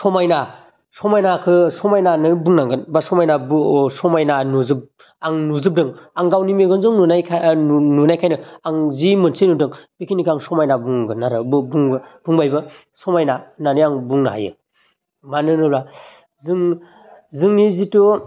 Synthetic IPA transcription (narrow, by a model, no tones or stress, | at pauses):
sɔmajna | sɔmajnakʰɯsɔmajnanɯbuŋnaŋɡɯnbasɔmajnabusɔmajnanuzɯp̚ | aŋnuzɯp̚dɯŋaŋɡawnimeɡɯnzɯŋnunajkʰnunajkʰajnɯaŋzimɯnsenudɯŋb̥ikʰinikʰaŋsɔmajnabuŋɡɯnaɾɯbbuŋb̥uŋbajbɯ | sɔmajnananiaŋbuŋna̰ɦa̰jɯ̰ | manɯnɯɾa | zɯŋ | zɯŋnizitu